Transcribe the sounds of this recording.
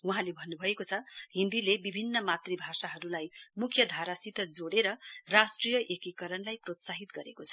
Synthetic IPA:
uɦãlebʱʌnːubʱʌekot͡sʰʌɦind̪ilebibʱinːʌmat̪ribʱasaɦʌɾulajmukʰjʌd̪ʱaɾasit̪ʌd͡zoɽeɾʌrasʈrijʌʔekikʌɾʌnlajprot̪saɦit̪ɡʌɾekot͡sʰʌ̥

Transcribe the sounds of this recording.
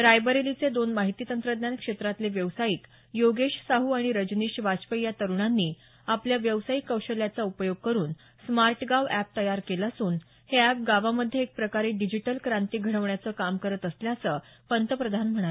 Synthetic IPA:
ɾajbəɾelit͡sed̪onmaɦit̪iːt̪ənt̪ɾəd̪njankʂet̪ɾat̪leʋjəʋsaiːk | joɡeɕsaɦuaɽ̃iɾəd͡ʑniːɕʋat͡spəjat̪əɾuɳ̃anːiː | apljaʋjəʋsaikːəwɕəljat͡saupəjoɡ̚kəɾuːn | smaɾʈɡaʋæp̚t̪əjaɾkelasuːn | heæp̚ɡaʋaməd̪ʱjeek̚pɾəkaɾeɖid͡ʑiʈəlkɾãnt̪iːɡʱəɽ̃əʋɳjat͡səːkamkəɾət̪əsljat͡səpənt̪əpɾəd̪ʱanm̤əɽ̃a

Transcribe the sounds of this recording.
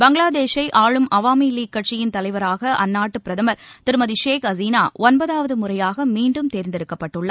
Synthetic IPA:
bɐŋɡɭaːd̪eːʂɐɪʔaːɭɯmɐʋaːmiliːkːɐʈ̚t͡ʃɪjɪnt̪ɐlɐɪʋɐɾaːɣɐʔɐnːaːʈːɯpɪɾɐðɐmɐɾt̪ɪɾɯmɐðɪʂeːkɐziːnaːɔnbɐðaːʋɐðɯmʊrɐjaːɣɐmiːɳɖɯmt̪eːɾnd̪ɪɾɯkːɐpːɐʈːɯɭːɐ

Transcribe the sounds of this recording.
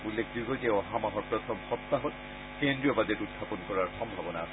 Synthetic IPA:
ulːekʰdiɡɔzɛɔɦamaɦɔɹpɹɔt̪ʰɔmxɔt̪ːaɦɔt | kendɹiɔbadɛtud̚bʱapɔnkɔɹaɹxɔmbʱabɔnaasɛ

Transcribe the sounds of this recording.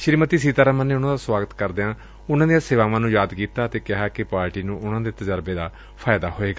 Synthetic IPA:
ʃɪɾmət̪iːsiːt̪aːɾaːmə̃nːeːʊnãːd̪aːswaːɡət̪kəɾd̪eãː | ʊnãːd̪ijãːsɪːʋaːʋãːnũːjaːd̪kiːt̪aːət̪eːkɪɦaːkɪpaːɾʈiːnũːʔʊnãːd̪eːt̪əd͡ʒəɾbeːd̪aː | pʰaːɪd̪aːɦoːeːɡaː

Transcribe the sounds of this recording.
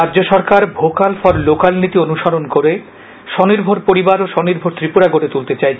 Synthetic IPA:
ɾaʑoʃɔɾkaɾbʱokalfɔɾlokalnit̪ionuʃaɾonkoɾe | ʃɔniɾbʱoɾpoɾibaɾoʃɔniɾbʱoɾt̪ɾipuɾaɡoɽet̪ult̪et͡ɕaj

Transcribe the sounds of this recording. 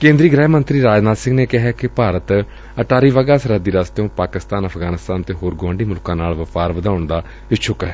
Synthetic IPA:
kẽːnd̪ɾiːɡɾɛːmənt̪ɾiːɾaːd͡ʒnaːd̪sɪ̃ŋɡneːkɪɦɛːkɪpaːɾət̪ | əʈaːɾiːʋaɡaːsɾaːd̪iːɾaːst̪eõːpaːkɪst̪aːnəpʰɡaːnɪst̪aːnt̪eːɦoːɾɡʊʋə̃ːɳɖiːmʊlkãːnaːlʋəfaːɾʋəd̪aːʊɳd̪aː | ɪt͡ʃʰʊkɛː

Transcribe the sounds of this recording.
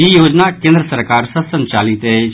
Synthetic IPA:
ijoːd͡ʒnakẽːnd̪ɾəsəɾkaːɾsəsə̃nt͡ʃaːlit̪e

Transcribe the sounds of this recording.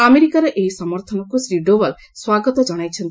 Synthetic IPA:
ameɾikaɾeʔeɦisɔmɔɾt̪ʰɔnɔkusɾiɖobal | swaɡɔt̪ɔd͡ʒɔɽ̃ajt͡ʃʰent̪

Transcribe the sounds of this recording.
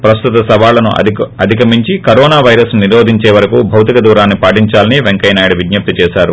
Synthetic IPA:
pɾɐst̪ut̪ɐsɐbaːlɐnuɐd̪ʱikɐmiɲt͡ʃikɐɾɔːnaːʋɐjɾɐsnniɾo̞ːd̪ʱiɲt͡ʃeːʋɐɾɐkubʱɐwt̪ikɐd̪uːɾaːnːipaːʈiɲt͡ʃaːliniʋeŋkɐjnaːjɐɽɐʋid̪jɐp̚t̪it͡ʃɛːʃaːɾu

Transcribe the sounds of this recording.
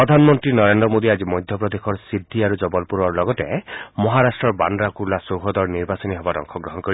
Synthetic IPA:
pɔd̪ʱanɔmɔnt̪ɾinɔɾend̪ɾɔmod̪iad͡ʒimɔjd̪ʱjɔpɾɔd̪ekʰɔɾsid̪ʱːiaɾud͡ʒɔbɔlpuɾɔɹlɔɡɔtemɔɦaɾasʈɾɔɾba̰ndɾakuɾlasowɦɔd̪ɔɹniɾbasɔniɦɔbaɾɔ̰ŋkʰɔɡɾɔɦɔnkɔɾi

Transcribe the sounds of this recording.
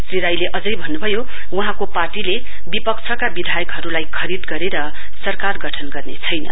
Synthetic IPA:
sriɾajleʔʌd͡zʌjbʱʌnːubʱʌjo | uɦãkoparʈile | bipʌkt͡sʰʌkabid̪ʱajʌkɦʌɾulajkʰʌɾid̪ɡʌɾeɾʌ | sʌrkarɡʌʈʰʌnɡʌrnet͡sʰʌjnʌ̰

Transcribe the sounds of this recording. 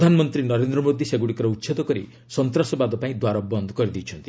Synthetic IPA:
d̪ʱanɔmɔnt̪ɾinɔɾend̪ɾɔmod̪ʱiseɡuɽikɔɾɔutːʃʰet̪ɔkɔɾḭ | sɔnt̪ɾasɔbad̪ɔpaĩd̪waɾɔbɔnd̪ʱɔkɔɾid̪ijt͡ʃʰɔnt̪i

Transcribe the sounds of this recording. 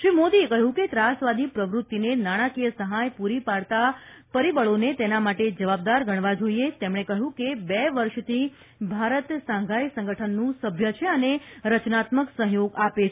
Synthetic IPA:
ʃɾimod̪iekəɦjũket̪ɾasʋad̪ipɾəʋɾʊt̪ːinenaɽ̃akijəsəɦajpuɾipaɾt̪a | pəɾibəɭonet̪enamaʈed͡ʒəʋab̚d̪aɾɡəɽ̃ʋad͡ʒoiet̪emɽ̃ekəɦjũkebɛʋəɾʃt̪ʰi | bʱaɾət̪sãŋɡʱajsə̃ŋɡəʈʰənːũsəbʱjət͡ʃʰeəneɾət͡ʃnat̪məksə̃ɦjoɡape

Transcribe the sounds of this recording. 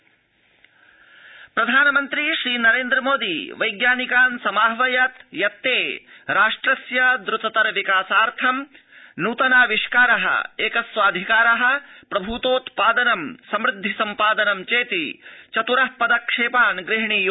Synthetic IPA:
pɾɐd̪ʱaːnɐmɐnt̪ɾiʃɾiːnɐɾeːnd̪ɾɐmoːd̪iʋɐjɡjaːnikaːnsɐmaːɦʋɐjɐt̪jɐt̪ːeː | ɾaːʂʈɾɐsjɐd̪ɾʊt̪ɐt̪ɐɾʋikaːsaːɾt̪ʰɐm | nuːt̪ɐnaːʋiʂkaːɾɐɦɐ̰eːkɐsʋaːd̪ʱikaːɾɐɦɐ̆pɾɐbʱut̪oːt̪paːd̪ɐnɐmsɐmɾɪd̪ʱːisɐmpaːd̪ɐnɐmt͡ʃeːt̪it͡ʃɐt̪uɾɐɦpɐd̪ɐkʂeːpaːnɡɾɪɦɳiːj

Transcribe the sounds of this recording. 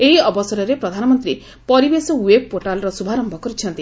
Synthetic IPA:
eɦiɔbɔsɔɾɔɾepɾɔd̪ʱanɔmɔnt̪ɾi | pɔɾibesɔweb̚poʈalɔɾɔsubʱaɾɔmbʱɔkɔɾit͡ʃʰɔnt̪i

